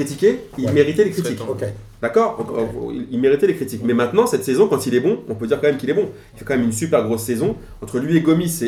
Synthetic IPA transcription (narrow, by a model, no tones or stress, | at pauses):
it̪ikʲe | ilmeʁit̪ɛlekχit̪ik | d̪akɔʁdɔ̃kḭlilmeʁit̪ɛlekχit̪ikmɛmɛ̃t̪nɑ̃sɛt̪sezɔ̃kɑ̃t̪ilɛbɔ̃ɔ̃pød̪iʁkɑ̃mɛmkʲilɛbɔ̃ | ilfɛkɑ̃mɛmynsypɛʁɡʁosːɛzɔ̃ | ɑ̃t̪χəlɥieɡɔmise